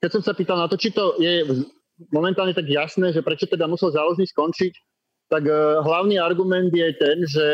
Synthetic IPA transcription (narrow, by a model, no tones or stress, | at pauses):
kɛcsɔmsapiːt̪alˠnat̪ɔt͡ʃit̪ɔjɛ | mɔmɛnt̪aːlɲɛt̪aɡjasnɛːʒɛpɾɛt͡ʃɔt̪ɛd̪amusɛlzaːlɔʒniːskɔnt͡ʃic | t̪aɡɦlaʊniːaɾɡumɛnd̪jɛt̪ɛnʒɛ